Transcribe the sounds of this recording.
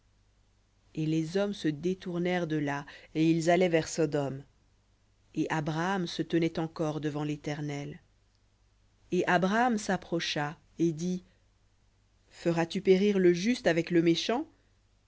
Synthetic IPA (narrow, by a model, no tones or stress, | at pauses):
elezɔmsəd̪et̪uʁnɛʁd̪əlaeilzalɛvɛʁsɔd̪ɔm | eʔabʁaːmsət̪ənɛt̪ɑ̃kɔʁd̪əvɑ̃let̪ɛʁnɛl | eʔabʁaːmsapχɔʃa | ed̪i | fəʁat̪ypeʁiʁləʒyst̪avɛkləmeʃɑ̃